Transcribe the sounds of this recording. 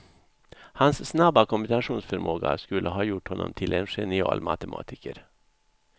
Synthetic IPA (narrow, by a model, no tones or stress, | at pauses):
hansːnabakʰɔmbɪnaʂuːnsfœɾmoːɡaskʉlʔəɦɑːjʊʈhɔnːɔ̰mt̪ʰɪlenʂɛnɪɑ̰ːlmɑ̰t̪əmʔɑ̰ːt̪ʰɪkəɾ